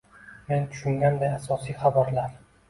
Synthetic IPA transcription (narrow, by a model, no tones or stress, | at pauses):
me̞nt̪ʰʊ̥ʃʊŋɡʲand̪ajasɒsijχabaɾlaɾ